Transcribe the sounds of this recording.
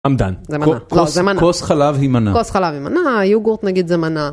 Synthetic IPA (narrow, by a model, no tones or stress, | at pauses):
amd̪a̰nzemannaklozemankaosχalavhimanakosχalavimanajuɡoʁt̪naɡid̪zemana